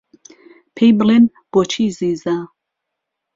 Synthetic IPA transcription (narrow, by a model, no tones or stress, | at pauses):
pʰejblin | b̥ot͡ʃʰiːziːza